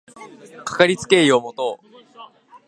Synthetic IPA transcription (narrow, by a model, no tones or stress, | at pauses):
kḁkaɾʲit͡sɨ̥ke̞ːio̞mo̞t̪o̞ː